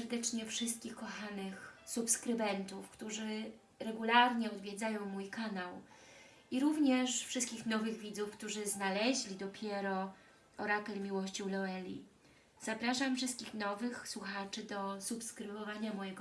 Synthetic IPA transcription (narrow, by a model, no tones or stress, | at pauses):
ɛɾd̪ɛt͡ʂɲɛfʂɘst̪̚kʲixkɔxanɘxsupskɾɘbɛnt̪ufkt̪uʐɘ | ɾɛɡulaɾɲɛɔd̪vʲjɛd̪zajɔ̃w̃mujkanaw | iɾuvɲɛʂfʂɘst̪̚kʲixnɔvɘɣvʲid̪zufkt̪uʐɘznalɛʑlʲid̪ɔpʲjɛɾɔ | ɔɾak̪ɛlmʲiwɔɕt͡ɕiwlɔɛlʲḭ | z̥apɾaʂamfʂɘst̪kʲixnɔvɘxswuxat͡ʂɘd̪ɔsupskɾɘvɔvaɲamɔjɛɡɔ